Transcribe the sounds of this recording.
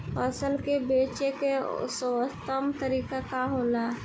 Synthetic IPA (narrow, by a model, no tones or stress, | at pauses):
pʰəsəlkebeːt͡ʃekeʊ̰səwət̪əmt̪əɾiːkekaɦoːla